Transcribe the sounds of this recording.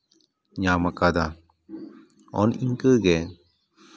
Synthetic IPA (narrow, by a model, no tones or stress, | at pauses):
ɲamakad̪a | ɔ̰niŋkəɡɛ